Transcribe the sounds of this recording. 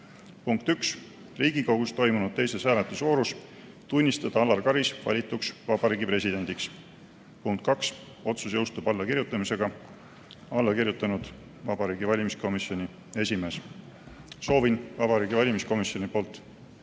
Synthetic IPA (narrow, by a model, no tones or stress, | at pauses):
puŋkt̪yks | riːɡ̥ikɑɡ̥ust̪o̞jmunud̪̚t̪e̞jse̞shæːlet̪ːˑusvo̞ːɾus | t̪unʲːist̪ɑd̪̥ɑɑlːɑrkɑɾisvɑ̰lʲit̪ːˑuksvɑb̥ɑɾiːɡipre̞sʲid̪e̞nd̪iks | puŋkt̪̚kɑks | o̞t̪susjɤwst̪ub̥ɑlːɑkirjut̪ːˑɑmise̞ɡ̥ɑ | ɑlːɑkirjut̪ːˑɑnud̪̥ | vɑb̥ɑɾiːɡivɑlʲimisko̞misjo̞nʲi | e̞sʲime̞ːs | so̞ːvinvɑbɑɾiːɡ̥ivɑlʲimisko̞misjo̞nʲipo̞ːlt̪ːˑ